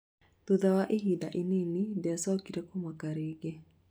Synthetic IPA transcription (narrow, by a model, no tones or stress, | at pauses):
t̪uðawaʔeɦidaʔinenidɛsakiɾɛkɔmwakaɾeɡe